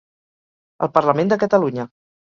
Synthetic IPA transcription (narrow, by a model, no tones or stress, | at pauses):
ə̰lˠpəɾləmẽnd̪əkət̪əluɲə